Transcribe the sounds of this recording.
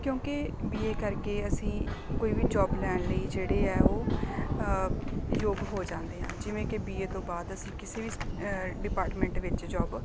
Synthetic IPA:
kjõːkɪbiːeːkəɾkeːəsĩːkoːiːʋiːd͡ʒɔːblɛːɳ̃ləiːd͡ʒeːɽeːɛːoː | joːbɦoːd͡ʒãːnd̪eːɦã̰ːd͡ʒɪʋẽːkebiːeːt̪õːbaːd̪əsĩːkɪseːʋiːɖɪpaːɾʈmɛ̃ːɳʈʋɪt͡ʃd͡ʒɔːb

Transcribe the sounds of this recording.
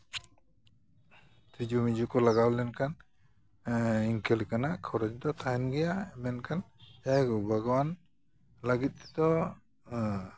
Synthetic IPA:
t̪ɾid͡ʒumid͡ʒukɔlaɡawlɛnkʰan | iŋkʰɛlkanaʔkʰɔɾɔd͡ʒd̪ɔt̪ʰajnɡɛjaɛmɛnkʰan | d͡ʒajɡɔbaɡɔwan | laɡit̪̚ˀd̪ɔ

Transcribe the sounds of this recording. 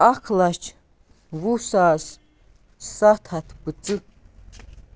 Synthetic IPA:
akʰlat͡ʃʰ | wusaːs | sat̪ʰat̪ʰbɨt͡sʼɨ

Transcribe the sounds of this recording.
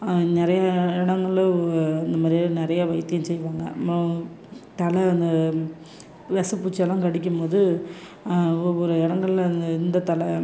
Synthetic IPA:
nɪɾɐjaɪɽɐŋɡɐɭɐnd̪ɐmaːd̪ɾinɪɾɐjaːʋɐɪt̪ːɯjʊ̃nsɛjːʋaːŋɡɐ̰ɐpɾõ | t̪ɐlɐɐnd̪ɐ | ʋɛsɐpːuːt͡ʃːɛlːãːkɐɽɪk̬ʲːɯmpoːðɯ | ɔɾɯɪɽɐŋɡɐɭlɐnd̪ɐɪnd̪ɐt̪ɐlɛ

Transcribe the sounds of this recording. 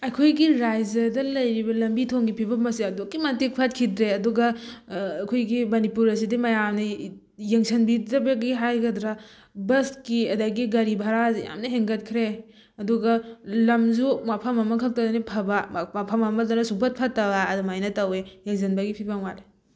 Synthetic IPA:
ɐjkʰojɡiɾajzɐdɐlɐjɾibɐlɐmbitʰoŋɡipʰibɐmɐseɐdokːimɐntik̚pʰɐt̚kʰidɾeɐduɡɐ | kʰojɡimɐnipuɾɐs̬idimɐjamnɐ | jɐŋsʰɐnbidɾɐbɐɡiɦajɡɐdɾa | bɐskiɐdaɡiɡɐɾibʱaɾazja̰mnɐɦeŋɡɐt̚kʰɾe | ɐduɡɐlɐmzumapʰɐmɐmɐkʰɐk̚tɐdɐnipʰɐbamapʰɐmɐmɐdɐnɐsupʰɐt̚pʰɐtːɐwaːdumajnɐtɐwejeŋzɐnbɐɡipʰibɐŋwaɾe

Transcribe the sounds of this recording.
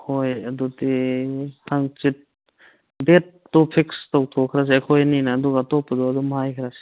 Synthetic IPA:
kojɐduti | tʰaŋt͡ʃit̚ | bet̚ːɔpʰikstawtʰɔkʰɾas̬iakʰɔjninaːduɡatɔpad̪ɔadɔmɦajkʰɾasi̥

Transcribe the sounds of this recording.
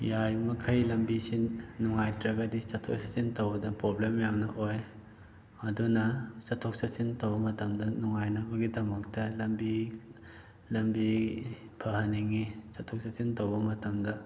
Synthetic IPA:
jaɾimɐkʰɐjlɐmbisinuŋajtɾɐɡɐdisɐtʰo̰k̚sɐsintowbɐdɐpɾoblemjamnɐʔoj | ɐdunɐsɐtʰok̚sɐsintowbɐmɐtɐmdɐnɔŋajnɐbɐɡidɐmɐk̚tɐlɐmbi | lɐmbi | pʰɐɦɐniŋisɐtʰok̚sɐsintowbɐmɐtɐmdɐ

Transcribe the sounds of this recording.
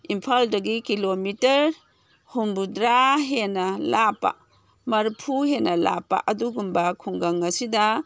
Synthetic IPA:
impʰaldɐɡikilomitɐɾ | humbudɾaɦenɐlapːa̰ | mɐɾpʰuɦenɐla̰pːa̰ʔɐduɡumbɐkʰuŋɡaŋɐsidɐ

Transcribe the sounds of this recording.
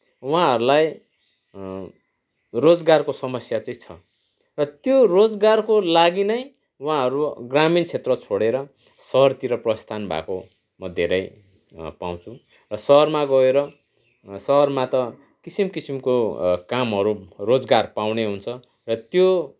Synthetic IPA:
wuɦãɦʌɾulaj | rod͡zɡarkosʌmʌsjat͡sʌĩt͡sʰʌ | rʌt̪jorod͡zɡarkolaɡinʌj̃ | wãɦʌɾuɡramint͡sʰet̪rʌt͡sʰoɽeɾʌ | sʌɦʌrt̪iɾʌprʌst̪ʰanbʱa̰ko | mʌd̪ʱḛɾʌj | paw̃t͡sʰu | rʌsʌɦʌrmaɡʌeɾʌ | sʌɦʌrmat̪ʌ | kisimkisimkokamɦʌɾurod͡zɡarpawneɦunt͡sʰʌ | rʌt̪jo

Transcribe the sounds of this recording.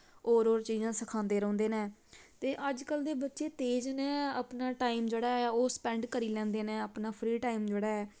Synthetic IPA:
oːɾoːɾt͡ʃiːzãːsəkʰãːnd̪eːɾɔ̃ːnd̪eːnɛ̃ːt̪eːʔəd͡ʒkəld̪eːbətːʃeːt̪eːd͡ʒnɛ̃ːəpnaːʈaːiːmd͡ʒeːɽaːɛːoːspɛ̃ːɳɖkəɾiːlɛ̃ːnd̪eːnɛ̃ːəpnaːpʰɾiːʈaːiːmd͡ʒeːɽaːɛː

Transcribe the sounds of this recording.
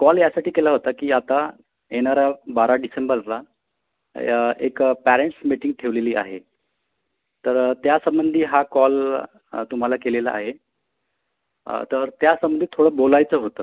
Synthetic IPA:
kɔljasaʈiːkelaɦot̪akiːat̪a | jenaɾjabaɾaɖisembəɾla | ḛkpæɾeɳʈsmiʈiŋɡ̚t̪ʰeʋleliːa̰ɦe | t̪əɾt̪jasəmbənd̪ʱiːɦakɔl | t̪um̤alakelela̰ʔa̰ɦe | t̪əɾt̪jasəmbənd̪ʱit̪ʰːoɽəːbolajt͡səːɦot̪əː

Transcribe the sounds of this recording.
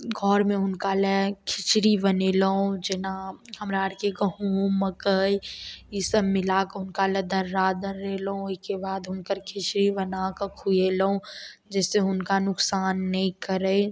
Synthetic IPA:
ɡʱɔːɾmẽʊnkalekʰɪt͡ʃɾibənelɐõd͡ʒɪnahɐmɾaːɽkekɐɦuːməkəiɪsəbmɪlakəʊnkaled̪ɐɾːaːd̪əɾːeːlɐɦõɪskebaːd̪ʊnkəɾkʰɪt͡ʃɾibɐnakəkʰuelɐõd͡ʒɛːseʊnkanʊksaːnːɐɦĩkɐɾə

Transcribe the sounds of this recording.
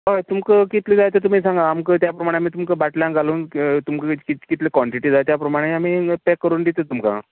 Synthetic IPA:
ɦajt̪umkəkit̪liːd͡zajt̪et̪um̤iːsãŋɡaamkət̪japɾəmaɽ̃amiːt̪̬umkəbaʈljãŋkaluːnt̪umkəkikit̪lekʋɔɳʈiʈiːd͡zajt̪japɾəmaɽ̃eamiːpɛkːəɾuːnd̪it̪ət̪umka̰

